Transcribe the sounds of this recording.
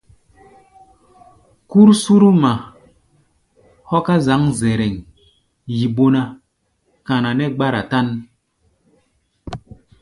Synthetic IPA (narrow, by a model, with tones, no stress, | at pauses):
ku˦ɾsu˦ɾu˦ma˨ | hɔ˦ka˦za˨˦ŋze˨ɾɛ˨ŋ | ji˨ɓo˦na˧ | ka˨na˨nɛ˦ɡ͡ba˦ɾa̰˨ta˦n